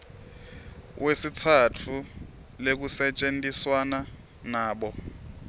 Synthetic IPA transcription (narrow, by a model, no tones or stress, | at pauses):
wesitʰatʰu | lek̬usɛt͡ʃʼentʼiswana | naːɓɔ